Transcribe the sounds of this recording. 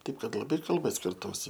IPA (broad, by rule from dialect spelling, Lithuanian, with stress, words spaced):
ˈtɐɪp ˈkɐt lˠɐˈbɐɪ kɐlˠˈbɐ sʲkʲɪrˈtuːsʲɪ